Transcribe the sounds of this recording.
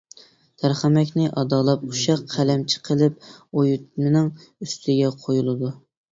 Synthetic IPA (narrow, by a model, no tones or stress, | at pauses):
t̪ʰæɾχæmɛkʲnɪʔɑd̪ɑːlˠɑp̚uʃɑqːʰælɛmt͡ʃʰi̥qʰəlˠɪp̚ojut̪̚mɪnɪŋ | yst̪ʰɪɡʲɛqʰojulˠɨd̪u